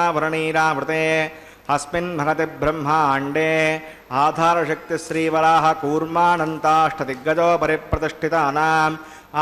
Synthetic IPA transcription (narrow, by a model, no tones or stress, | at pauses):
aːʋɐɾɐɳiːɾaːʋɾɪt̪eː | ɦɐspinbʱɐɡɐt̪ebʱɾɐmɦɐaːɳɖeː | aːd̪ʱaːɾɐʃɐk̚t̪iʃɾiːʋɐɾaːɦɐ̆kuːɾmaːnɐnt̪aːʂʈʰɐt̪iɡːɐd͡ʒ̪oːpɐɾipɾɐt̪iʂʈʰit̪ɐɐnaːm